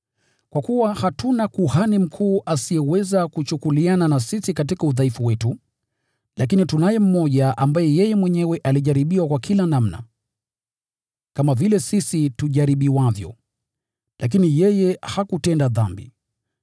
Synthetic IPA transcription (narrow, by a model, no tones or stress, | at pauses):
kwakuwahatunakuhanim̩kʰuːʔasiɛwɛzakut͡ʃukuliananasisikatikauðaifuwɛtu | lʔak̬initunajɛm̩mɔʄaʔambajɛjɛjɛmwɛɲɛwɛʔaliʄaɾiɓiwakwakʰilanam̩na̰ | kamavilɛsisituʄaɾiɓiwavjɔ̰ | lʔak̬inijɛjɛhakutɛndaða̰mbḭ